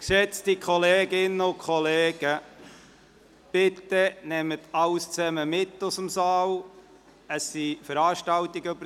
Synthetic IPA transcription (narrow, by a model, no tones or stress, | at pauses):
kʃɛt͡stikʰχɔleːɡɪnːəʊkʰχɔleːɡ̥ə | b̥ɪtənɛmətʰɑlst͡sɛməmɪtːʊsəmsɑːl | əsːifəɾɑːʃtɑltiɡəbə